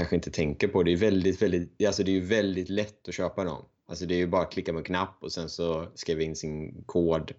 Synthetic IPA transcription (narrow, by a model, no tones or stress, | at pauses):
anɧəɪnt̪ət̪ʰɛŋkəɾpʰɔd̪ɛːjɵvɛld̪ɪt̪vɛld̪ɪt̪alsɔd̪ɛæːjɵvɛld̪ɪt̪lɛt̪ːɔɕøːpad̪ɔ̰m | a̰lsɔd̪ɛːjɵbɑːɾakʰlɪkːamɛkʰnapːɔsɛnsɔskiːvɪɪnːsɪnkʰoːd̪